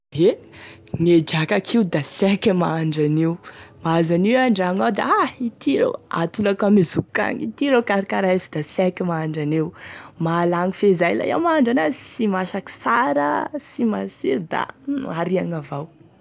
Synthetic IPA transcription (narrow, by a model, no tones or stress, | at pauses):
e | ŋed͡ʒakakʰiud̪asɛkimaaɳɖ͡ʐanewmaazaniwaɳɖ͡ʐaŋawd̪aait̪iɾḛwa̰t̪ulakamezuka̰ŋḭt̪iɾekaɾikaɾaefid̪̥asɛkimaaɳɖ͡ʐanewmalaŋifezajla̰ja̰maaaɳɖ͡ʐanasimaʃaki̥saɾəsimasiɾd̪a̰aɾiaŋavaw